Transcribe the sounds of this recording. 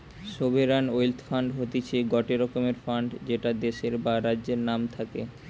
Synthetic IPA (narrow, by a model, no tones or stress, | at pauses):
ʃobʱeɾanojlt̪faɳɖɦot̪it͡ɕʰeɡɔʈeɾɔkomeɾfaɳɖd͡ʑeʈad̪eʃeɾbaɾadːʑeɾnamt̪ʰake